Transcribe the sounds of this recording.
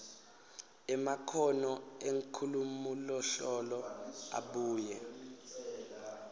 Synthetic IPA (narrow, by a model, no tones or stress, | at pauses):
ɛmakʰɔnɔeŋkʰulumulɔɬɔlɔa̰ɓuːjɛ